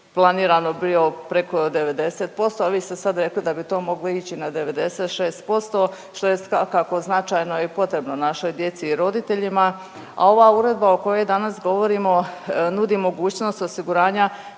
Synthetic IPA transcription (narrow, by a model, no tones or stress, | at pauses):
plˠaniːɾano̞bio̞pɾe̞ko̞d̪e̞ʋe̞d̪e̞seːt̪̚po̞st̪o̞aʋiːst̪e̞sad̪ɾe̞klid̪abit̪o̞ːmo̞ɡloit͡ɕinad̪e̞ʋe̞d̪e̞set̪ʃeːst̪̚po̞st̪o̞ | ʃt̪o̞jesʋakːako̞znat͡ʃajno̞ipo̞t̪ɾe̞bnonaʃo̞jd̪je̞t̪siːɾo̞d̪it̪e̞ʎima | a̰o̞ʋauɾe̞d̪̚baoko̞je̞jd̪anasɡo̞ʋo̞ɾiːmo̞nud̪imo̞ɡuːt͡ɕno̞st̪o̞siɡuɾaːɲa